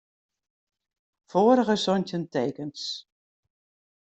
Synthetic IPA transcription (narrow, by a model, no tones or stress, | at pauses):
foːəɾəɣəsɔntənteːkəns